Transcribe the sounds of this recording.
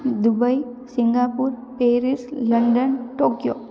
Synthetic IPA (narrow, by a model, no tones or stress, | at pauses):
d̪ubəjsiŋɡapuɾ | peːɾisləɳɖənʈoːkjo